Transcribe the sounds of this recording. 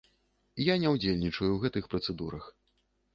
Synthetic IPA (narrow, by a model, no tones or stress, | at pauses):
janʲɛwd͡zʲelʲnʲit͡ʂɐjuwɣɛt̪ɨxpɾɐt̪sɛd̪uɾɐx